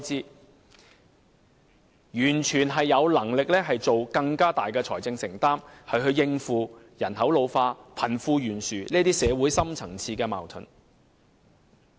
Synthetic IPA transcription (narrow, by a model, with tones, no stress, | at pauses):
t͡siː˥ | jyː˨˩nt͡ʃʰyː˨˩nɦɐ˨jːɐ˨˧wlɐ˨˩ŋlɪ˨k̚lɛː˥ɦɐ˨jt͡so˨wkɐ˧ŋkaː˥t̪aː˨jkɛː˧t͡sʰɔː˨˩jt͡sɪ˧ŋsɪ˨˩ŋt̪aː˥mhɐ˨jɦɵ˧ɥjɪ˧ŋfuː˨ | jɐ˨˩nhɐ˨˥wlo˨˧wfaː˧pʰɐ˨˩nfuː˧jyː˨˩nsyː˨niː˥t̪iː˥sɛː˨˧wuː˨˥jsɐ˥mt͡sʰɐ˨˩ŋt͡sʰiː˧kɛː˧ma̰ː˨˩wt̪ʰɵ̰˨˩n